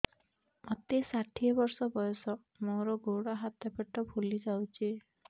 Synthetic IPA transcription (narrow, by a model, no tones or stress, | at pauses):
ɔt̪esaʈʰiɔbɔɾsɔbɔjɔsɔ | moɾɔɡoɽɔɦat̪epeʈɔbʱulid͡ʒawt͡ʃʰi